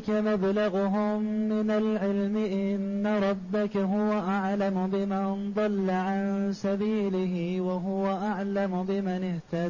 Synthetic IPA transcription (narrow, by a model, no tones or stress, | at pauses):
kamablaɣʊɦʊmːɪnalʕɪlmɪʔɪnːaɾˤɑbːakaɦʊwaʔaʕlamʊbɪmand̪ˤɑlːaʕansabiːlɪhɪwaɦʊwaʔaʕlamʊbɪmanɪht̪ad̪